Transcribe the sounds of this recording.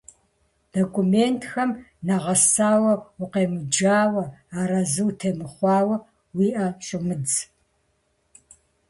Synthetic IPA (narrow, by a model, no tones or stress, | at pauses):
d̥okʷʰumeːntʰxɐmnɐʁɐsaːwɐwʊqeːmɨd͡ʒaːwɐaːɾɐzɨwtʰeːmɨχʷɑːwɐ | wiːʔɐɕʼɪmɨd͡z